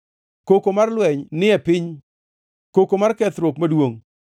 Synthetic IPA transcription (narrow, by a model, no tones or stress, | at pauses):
kokomarlwɛɲnɪɛpɪɲ | kokomarkɛt̪ɾokmadwoŋ